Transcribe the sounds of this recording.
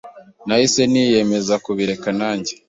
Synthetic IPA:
naise̞nije̞me̞zakuβiɾe̞kanaːɲɟe

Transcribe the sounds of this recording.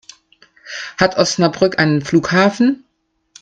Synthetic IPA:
hatʰʔɔsnabʁʏkʔa̰ɪnənfluːkhaːfn̩

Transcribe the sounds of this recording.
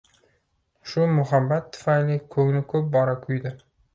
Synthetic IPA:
ʃʊmʊɦabːat̪ʰːʊ̥fajlikʰɵŋnɪkʰɵp̚bɒɾakʲʰʊjd̪ɪ

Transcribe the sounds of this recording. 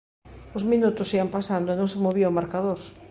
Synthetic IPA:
ʊzmĩnut̪ʊsiampasand̪oenõŋsemoβiaʊmaɾkaðoɾ

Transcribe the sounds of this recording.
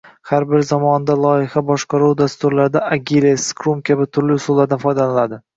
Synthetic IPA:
haɾbɪɾzamɒnd̪alˠɒjɪhabɒʃqɑɾuwd̪ast̪ʊɾlaɾd̪aaɡʲileskʰɾomkʲʰabɪt̪ʰʊɾlɪsʊlːˠaɾd̪anfɒjd̪allad̪ɪ

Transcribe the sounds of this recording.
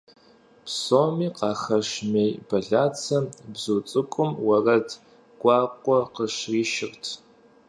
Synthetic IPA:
pʰsoːmiːqɑːχɐʃmeːjbɐɮaːt͡sʰɐbzuːt͡sʼɨkʷʼʊmwɐrɐtʰ | kʷʼɑːqʷʼɔqəʃriːʃɪrtʰ

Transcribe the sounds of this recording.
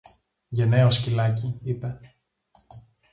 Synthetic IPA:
ʝeneoscilɐciipe̞

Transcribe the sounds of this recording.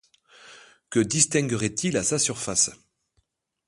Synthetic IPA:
kəd̪ist̪ɛ̃ŋɡəʁɛt̪ilasasyʁfas

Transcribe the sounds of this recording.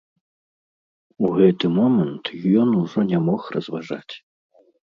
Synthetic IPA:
uɣɛt̪ɨmɔmɛnt̪jɔnuʐɔnʲɛmɔxrɐzvaʐa̰t͡sʲ

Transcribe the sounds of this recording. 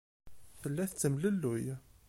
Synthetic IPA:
θəlːæθt͡s̪ːəmləlːujæ

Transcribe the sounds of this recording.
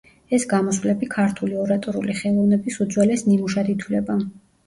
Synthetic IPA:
ɛsɡamɔswlɛbikʰaɾt̪ʰuliɔɾat̪ʼɔɾṵliχɛlˠɔvnɛbisud̪zwɛlɛsnimuʃad̪it̪ʰwlɛba

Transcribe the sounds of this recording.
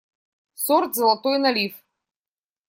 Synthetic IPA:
sɔɾt̪zlˠat̪ɔjnalif

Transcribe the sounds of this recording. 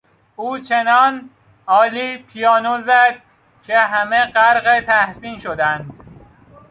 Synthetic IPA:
uːt͡ʃʰenɒːn | ɒːliːpʰijɒːnozæd̪̥̚ | cʰeɦæmeɢæɾɣet̪ʰæhsiːnʃod̪ænd̪

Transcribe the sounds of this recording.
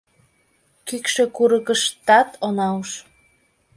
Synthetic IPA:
kykʃekuɾəkəʃt̪ɑt̪ʰonɑəʃ

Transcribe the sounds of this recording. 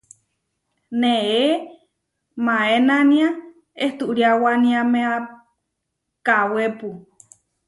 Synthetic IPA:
nee | mãenania | eht̪uʔɾiawanĩamea | kawepu

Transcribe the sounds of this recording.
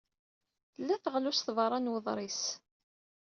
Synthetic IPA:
lːæθəʁlusθvɾˤɑnwəðˤɾˤis

